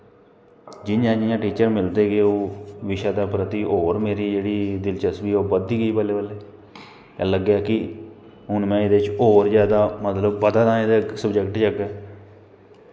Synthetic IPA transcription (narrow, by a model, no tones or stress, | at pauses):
d͡ʒɪjãːd͡ʒɪjãːʈiːt͡ʃəɾmɪld̪eːɡeːoːʋɪʃaːd̪aːpɾət̪iːʔoːɾmeːɾiːd͡ʒeːɽiːd̪ɪlt͡ʃəsʋiːoːbəd̪iːɡəiːpəleːʋəleː | ɛːləɡaːkɪ | ɦʊnmɛ̃ːɪd̪eːt͡ʃoːɾzjaːd̪aːmət̪ləbːəd̪aːd̪ãːed̪eːsəbd͡ʒəkʈt͡ʃəɡɛː